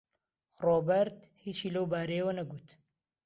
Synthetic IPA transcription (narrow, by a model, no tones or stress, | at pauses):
roːbɐɾt̪ | hiːt͡ʃiːlɐwbaːɾejewɐnɐɡuːt̪